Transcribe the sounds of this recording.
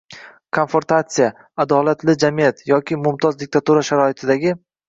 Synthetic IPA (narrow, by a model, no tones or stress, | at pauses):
kʰonfoɾt̪at̪sija | ad̪ɒlat̪ʰlɪd͡ʒamijat̪jɒkʲɪmʊmt̪ʰɒzd̪ɪk̚ʲt̪ʰat̪uɾaʃaɾɒɪt̪ʰɪd̪aɡʲɪ